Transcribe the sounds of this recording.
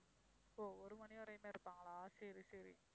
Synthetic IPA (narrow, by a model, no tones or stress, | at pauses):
oːɔɾɯmɐnɪɔɾɐjmeːɪɾɯpːaːŋɡɐɭaːsɐɾisɐɾḭ